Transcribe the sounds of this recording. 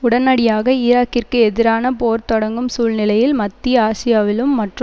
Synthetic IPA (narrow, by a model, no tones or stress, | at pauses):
ʊɽɐnɐɽɪjaːɣɐiːɾaːkːɪrkɯɛðɪɾaːnɐpoːɾt̪ɔɽɐŋɡɯmsuːlnɪlɐjɪlmɐt̪ːiaːsɪjaːʋɪlɯmːɐʈrɯ